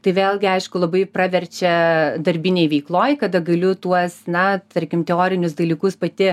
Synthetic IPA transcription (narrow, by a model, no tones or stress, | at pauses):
t̪ɐɪʋʲeːlˠɡʲɪɐɪʃkʊlˠɐbɐɪprɑːʋʲɛɾʲt͡ʃʲɛd̪ɐɾʲbʲɪnʲejʋʲɛɪklˠoːjkɐd̪ɐɡɐlʲʊt̪uɔsnɐt̪ɐɾʲkʲɪmt̪ʲɛoːɾʲɪnʲʊs̬d̪ɐlʲiːkʊspɐt̪ʲɪ